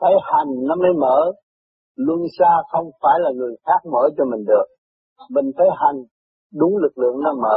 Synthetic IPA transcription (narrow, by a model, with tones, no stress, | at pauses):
t̪ə˨˦jha˨˩jŋ̟nɔ˨˦məː˨˦jməː˧˩˦ | lu˧nsaː˧xə˧wŋ͡mfaː˧˩jlaː˨˩ŋɨ˨˩əjxaː˦˥k̚məː˧˩t͡ɕɔ˧mï˨˩ŋ̟ɗɨ˨˩ək̚ | mï˨˩ŋ̟fʰəː˨˦jɦa˨˩jŋ̟ | ɗʊ˨˦ŋ͡mlɨ˨˩k̚lɨ̰˧˨əŋnɔ˧˦məː˧˦